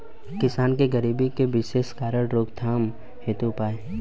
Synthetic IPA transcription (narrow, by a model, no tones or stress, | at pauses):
kɪsaːnkeɡəɾiːbikeʋɪʃeːskaːɾəɽɾoːkt̪ʰaːm | heːt̪upaːe